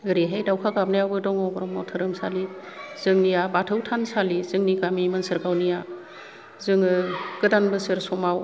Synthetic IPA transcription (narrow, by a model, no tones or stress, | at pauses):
ɯɾiɦejdawkʰakap̚nijawbɯdɔŋɔbɾɔmɔtʰɯɾɯmsali | zɯŋnijabatʰɯwtʰansalizɯŋniɡamimɯnsɯɾɡawnija | zɯŋɯɡ̥ɯdanbɯsɯɾsɔmaw